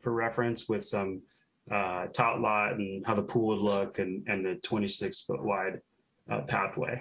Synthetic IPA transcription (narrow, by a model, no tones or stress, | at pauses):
fə˞ɹɛfɹɨ̃nswɪð̥sʌ̃m | ʔʌtʰɑplɔtn̩haʊðəpʰulˠwədˡlʊkɨ̃nɨ̃nðɨtʰw̥ɛ̃ɾ̃isɪksfʊ̰ʔ̚waɪd̚ | ʌ̰pʰæ̰θwḛɪ